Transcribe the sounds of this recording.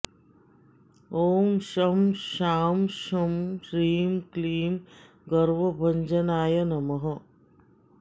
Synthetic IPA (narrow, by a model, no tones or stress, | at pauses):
oːmʃɐmʃaːmʃɐmʃɾiːmkliːm | ɡɐɾʋɐbʱɐɲd͡ʒɐnaːjɐnɐmɐɦɐ